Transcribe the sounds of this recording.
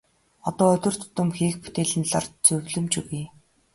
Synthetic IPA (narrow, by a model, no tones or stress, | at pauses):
ɔt̪ɔːɵt̪ʲɵ̆r̥t̪ʰʊ̥t̪ə̆mxiːk̚put̪eːɮɘ̆nɮa̰rt̪t͡sɵwɮɵ̆mt͡ɕɵɣiː